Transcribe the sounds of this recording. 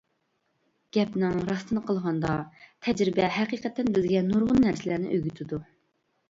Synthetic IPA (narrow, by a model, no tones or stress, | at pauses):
ɡ̥ʲɛpnɪŋɾɑst̪ɨnəqʰəlˠʁɑnd̪ɑt̪ʰɛd͡ʒɾɪbɛɦɛqiːqʰɛt̪ːɪnbɪzɡʲɛnuɾʁʊnːæɾsɪlæɾnɪ̰ʔøɡʲyt̪ʰɪd̪u